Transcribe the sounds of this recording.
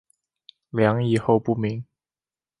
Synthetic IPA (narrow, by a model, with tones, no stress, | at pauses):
ljɑ˧˥ŋi˨˩xo˥˧ʊpu˥˩mi˨˥˦ŋ